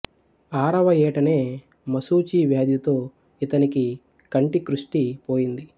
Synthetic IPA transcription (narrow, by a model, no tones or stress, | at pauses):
aːɾɐʋɐjɛːʈɐneː | mɐsuːt͡ʃiːʋjaːd̪jɐt̪o̞ː | it̪ɐniki | kɐɳʈikɾuʂʈipoːjind̪i